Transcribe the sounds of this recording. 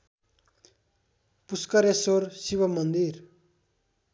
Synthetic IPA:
puskʌɾjesorsiβʌmʌnd̪ir

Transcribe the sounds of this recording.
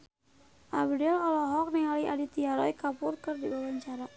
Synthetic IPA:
ʔabdɛlɔlɔɦɔk̚niŋaliʔadit̪iaɾɔjkapurkɨrdiwawaɲt͡ʃaɾa

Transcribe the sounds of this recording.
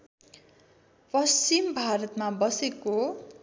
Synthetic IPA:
pʌst͡ɕimbʱaɾʌt̪mabʌseko

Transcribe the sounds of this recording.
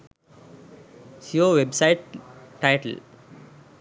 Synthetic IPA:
sioːʋebsaɪʈʈaɪʈə̰l

